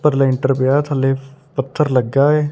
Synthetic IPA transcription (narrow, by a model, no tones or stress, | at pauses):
pəɾleɪɳʈəɾpɪjaːt̪ʰəleːpət̪ʰːəɾləɡaːeː